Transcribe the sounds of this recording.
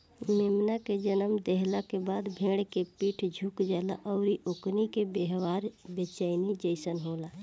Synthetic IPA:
mɪmnaked͡ʒənəmd̪ɛɦlakebaːd̪bʱeːɽkepiːʈʰd͡ʒʱuːkd͡ʒaːlaʔɔːɾiʔʊknikebeɦwaːɾbet͡ʃəːɪnid͡ʒəɪsənɦoːlaː

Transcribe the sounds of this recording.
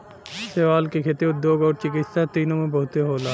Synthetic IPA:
seʋaːlkekʰeːt̪eʊd̪joːɡɔːɾt͡ʃɪkɪt̪sat̪iːnõmẽbɐɦʊt̪eɦoːlaː

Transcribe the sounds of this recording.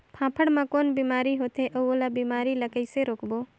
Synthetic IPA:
pʰãːpʰəɽmãkoːnbimaːɾiɦot̪eʔoolabimaːɾiləkəɪseɾoːkbo

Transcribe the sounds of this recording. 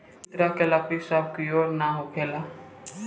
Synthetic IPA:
t̪ɾaːkelaːkisaːb̚kioːɾnaɦokʰeːlaː

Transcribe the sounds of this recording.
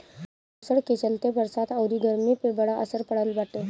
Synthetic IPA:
usəɽket͡ɕəlt̪ebəɾsat̪əwɾiːɡʱəɾmiːpebəɽaʔəsəɾpəɽəlbaʈe

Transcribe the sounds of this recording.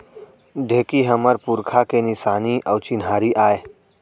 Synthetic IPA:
d̪ʱeːkiɦɐməɾpuɾkʰakenɪsaːniʔɔːt͡ʃɪnɦaːɾiʔaːeː

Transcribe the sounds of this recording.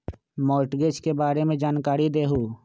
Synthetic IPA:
mɔːʈɡet͡ʃkebaːɾemẽd͡ʒaːnkaːɾid̪eːɦoː

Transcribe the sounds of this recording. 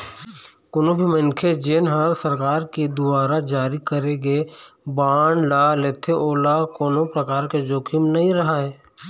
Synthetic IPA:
kʊnobʱimənkʰed͡ʒeːnɦəɾsəɾkaːɾkid̪ʊbaːɾad͡ʒaːɾikəɾeɡeːbaːɳlaleːt̪ʰeʔoːlakoːnopɾəkaːɾked͡ʒoːkʰimnɐɦĩɾɐɦaɦɛː

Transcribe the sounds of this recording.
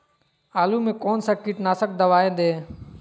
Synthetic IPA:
aːluːmẽːkoːnsãːkɪʈnaːsək̚d̪əʋaːẽːnd̪eː

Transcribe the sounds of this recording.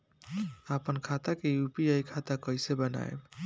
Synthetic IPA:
əpənkʰat̪akejupiajkʰat̪akəjsebəna̰eb

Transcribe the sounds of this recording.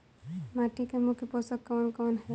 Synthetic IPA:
maːʈikemʊkʰeposəkːɔːnkɔːnɦɛ

